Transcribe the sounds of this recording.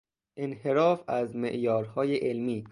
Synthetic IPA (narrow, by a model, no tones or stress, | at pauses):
ʔenhe̞ɾɒːfæzmḛʔjɒːɾhɒːjeʔelmiː